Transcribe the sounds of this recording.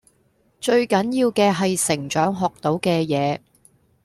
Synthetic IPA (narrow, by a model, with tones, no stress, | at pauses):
t͡ʃɵ˧ɥkɐ˨˥njiː˧wkɛː˧ɦɐ˨jsɪ˨˩ŋt͡ʃœː˨˥ŋɦɔː˨k̚t̪o˨˥wkɛː˧jɛː˨˧